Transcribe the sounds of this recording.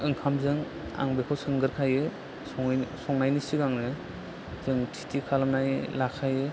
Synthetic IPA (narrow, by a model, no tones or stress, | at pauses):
ɯŋkʰamzɯŋ | a̰ŋbekʰɔsɯŋɡɯɾkʰajɯ | sɔŋsɔŋnajnisiɡaŋnɯ | zɯŋtʰi̥tʰikʰalmnajlakʰajɯ